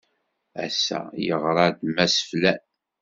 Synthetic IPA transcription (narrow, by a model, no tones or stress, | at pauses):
æ̰sːæ̰jəʁɾˤɑd̪mæsə̥flæn